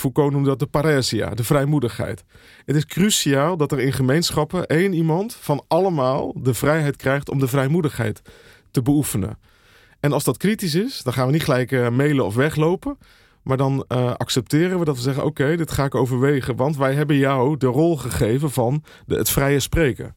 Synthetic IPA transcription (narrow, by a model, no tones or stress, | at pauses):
fukonumdɑt̚dəpaɾɛːzia̰dəvrɛjmudəχɦɛ̰jt | ɦətɪskrysiaːlˠdɑtərɪnχəmejnsχɑpəʔejnimɑntfɑnʔɑləmaːlˠdəvrɛjɦɛjtkrɛjχtɔ̰mdəvɛjmudəχɦɛ̰jtː | əbəufənə̰n | ɛnɑlˠzdɑtkritis̬ɪsdɔnχaːnʋənitχəlɛjkmejləɔfʋɛχlowpə | maːɹdɑnɑ̰ksɛp̚tɪːrənʋədɑtʋəzɛχəno̰wkejdɪtχaːɪkowvəɹʋejχənʋɑntʋɛjɦɛbənjawdərɔlˠχəχejvənvɑn | ə̰tfrɛjəsprejkə̰r